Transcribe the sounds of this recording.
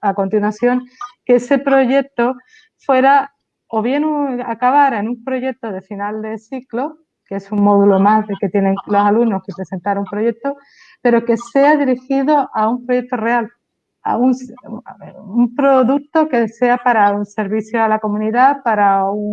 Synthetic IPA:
ako̞nt̪inwaθjo̞ŋkeese̞pɾo̞ʝe̞k̚t̪o̞ | fwe̞ɾa | oβje̞nuakaβ̞aɾaenumpɾo̞ʝe̞k̚t̪o̞ðe̞finald̪e̞siklo̞ | ke̞suŋmo̞ðulo̞mazðe̞ke̞t̪jene̞ŋlo̞saluno̞hke̞pɾe̞se̞nt̪aɾaumpɾo̞ʝe̞k̚t̪o̞ | pe̞ɾo̞ke̞se̞aðiɾixiðo̞ʔaumpɾo̞ʝek̚t̪ore̞al | a̰uns | umpɾo̞ðuk̚t̪o̞kese̞apaɾaunse̞ɾβiθjo̞alako̞mũniðapaɾauŋ

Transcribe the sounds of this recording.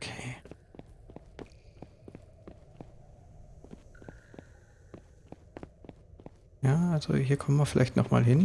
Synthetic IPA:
kʰeː | jaːʔalz̥o̰hiːɐkʰɔmənviɐfɪlʔaɪçtnɔχma̰ːlɦɪn

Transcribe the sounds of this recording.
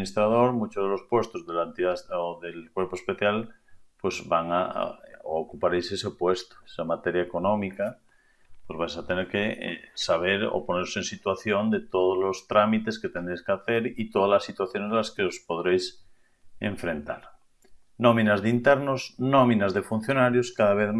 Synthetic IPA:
nist̪ɾað̞oɾmut͡ʃozðelo̞spwe̞st̪ozðelaent̪iðaoðelkweɾpoespeθjal | pwezbaŋa̰ | okupaɾejsesepwest̪o̥e̥samat̪eɾjaeko̞nõmika | pwezβajsat̪eneɾkḛsaβ̞eɾo̰poneɾosensit̪waθjond̪et̪oðozlost̪ɾamit̪esket̪end̪ɾejskeaθeɾit̪oðalasːit̪waθjonezðlaskeospoðɾejs | ḛɱfɾẽnt̪a̰ɾ | nomĩnazðeint̪eɾnosnomĩnazðefun̟θjonaɾjoskaðaβ̞eθ

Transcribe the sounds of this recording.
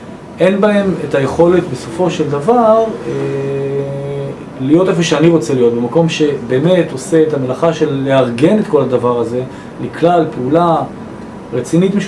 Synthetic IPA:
ʔe̞nbae̞metaje̞χo̞le̞tbe̞so̞fo̞ʃe̞ld̪avaʁe | lijo̞te̞foʃeaniʁo̞t͡se̞lijo̞t̚be̞mako̞mʃe̞be̞ːme̞to̞seetamelaχaʃe̞lːe̞aʁɡe̞ne̞tko̞lad̪avaʁaze̞ | liklalpeula | ʁet͡sinitme

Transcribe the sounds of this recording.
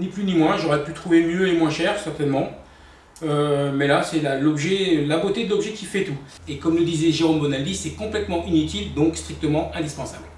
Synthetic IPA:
niplynimwɛ̃ʒɔʁɛpyt̪χuvemjøemwɛ̃ʃɛʁsɛʁt̪ɛnmɑ̃ | ømɛlasɛlalɔbʒɛlabot̪ed̪əlɔbʒɛkʲifɛt̪u | ekɔmləd̪izɛʒeʁombɔnald̪isɛkɔ̃plɛt̪mɑ̃ʔinyt̪ild̪ɔ̃kst̪χik̚t̪əmɑ̃ɛ̃d̪ispɑ̃sabl

